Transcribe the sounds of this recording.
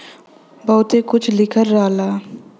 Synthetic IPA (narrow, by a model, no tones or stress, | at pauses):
bɔɦʊt̪ekʊt͡ʃʰlɪkʰəɾːaːlaː